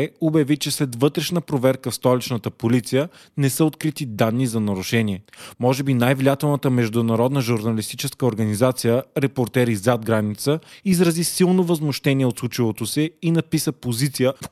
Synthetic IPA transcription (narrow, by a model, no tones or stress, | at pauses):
objɐvit͡ʃɛslɛd̪vɤt̪ɾɛʃnəpɾovɛɾkəfst̪ɔlit͡ʃnət̪əpolit̪sijə | nɛsəot̪kɾit̪id̪anːizɐnɐɾʊʃɛnʲiɛmɔʒɛbinajvlijat̪ɛlˠnət̪əmɛʒd̪ʊnɐɾɔd̪nəʒuɾnɐlist̪it͡ʃɛskəoɾɡɐnizat̪sijəɾɛpoɾt̪ɛɾizad̪̚ɡɾanit̪səizɾɐzisilˠnovɐzmʊʃt̪ɛniɛot̪slˠut͡ʃivot̪osɛinɐpisəpozit̪sijəf